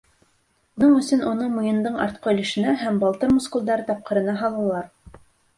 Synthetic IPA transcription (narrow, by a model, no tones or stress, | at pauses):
unɤɴɵ̆sɵnunɤmŭjɤ̆nd̪ɤɴɑ̰ɾt̪̚qɑɵ̆lɘ̆ʃɘ̆næɦæmbɑlˠt̪ɤɾmoskulˠd̪ɑɾɤt̪ɑp̚qɤ̆ɾɤ̆nɑɦɑlˠɑlˠɑɾ